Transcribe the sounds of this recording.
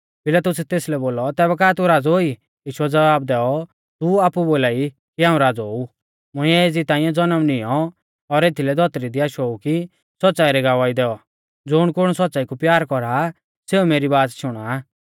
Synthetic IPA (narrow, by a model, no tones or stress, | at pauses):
pɪlaːt̪ʊsɛt̪eːslɛboːlɔt̪ɛːbɛk̬aːt̪uɾaːd͡zɦoi | jiːʃuɛd͡zɐbaːbd̪ɛːɔ | t̪uaːpuboːlaːi | kiaːũɾaːd͡zɦoːu | mʊĩɛeːd͡zit̪ãːɪ̃jɛ̃d͡zɔnəmnɪjɔ | ɔɾeːt̪ʰilɛd̪ʱɔt̪ɾid̪iaːʃuoːuki | sɔtːt͡saːiɾɛɡaʋaːid̪ɛːɔ | d͡zʊːɽ̃kʊɽ̃sɔtːt͡saːikupjaːɾkɔɾa | seːumeːɾibaːt̪ʃʊɽ̃aː